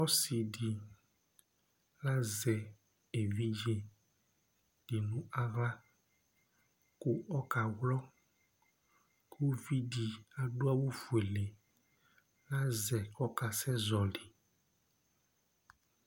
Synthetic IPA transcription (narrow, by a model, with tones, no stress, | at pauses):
ɔ˦si˨di˨ | la˦zɛ˨ | e˨vi˦d͡ʒe˨ | d̥i˨nũ˦a˦ɣa˦ | ku˦ɔ˦ka˨wlɔ˦ | kʰu˦vi˦di˨a˨ɖo˦a˦wo˦fu˨e˨le˨ | la˦zɛ˨kɔ˦ka˨sɛ˦zɔ˨li˨